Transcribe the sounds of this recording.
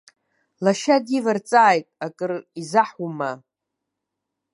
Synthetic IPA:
laʃadivart͡sʼaːjtʼakʼɨrizaħuma

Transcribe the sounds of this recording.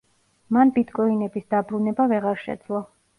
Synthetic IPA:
manbit̪ʰkʼɔinɛbisd̪abɾunɛbavɛʁaɾʃɛ̰d̪zlˠɔ

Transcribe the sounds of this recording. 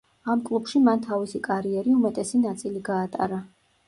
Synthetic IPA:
amkʼlˠubʃimant̪ʰavisikʼaɾiɛɾiumɛt̪ʼɛsinat̪sʼiliɡaːt̪ʼa̰ɾa

